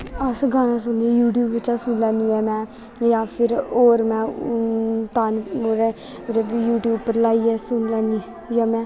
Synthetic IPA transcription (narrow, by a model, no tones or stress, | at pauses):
əsɡaːnãːsʊnijuːʈjuːbʋɪt͡ʃaːsʊnlɛ̃ːniːɛːmɛ̃ː | jãːpʰɪɾoːɾmɛ̃ː | t̪aːnoɾe | ɾjuːʈjuːpːəɾlaːiːɛːsʊnlɛːni | jãːmɛ̃ː